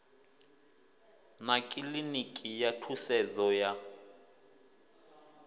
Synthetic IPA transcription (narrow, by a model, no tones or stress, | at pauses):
nakʼilinikʼijatʰusɛd͡zɔja